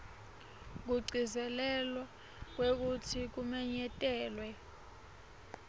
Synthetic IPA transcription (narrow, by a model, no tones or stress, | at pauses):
k̬uɡ͡ǀʱizɛlɛlwa | k̬wek̬utʰik̬umɛɲɛtʼɛːlwɛ